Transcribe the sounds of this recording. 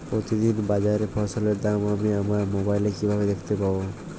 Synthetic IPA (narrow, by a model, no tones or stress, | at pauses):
pɾot̪id̪inbad͡ʒaɾepʰɔsɔleɾd̪amamiamaɾmobajlekibʱabed̪ekʰt̪epabo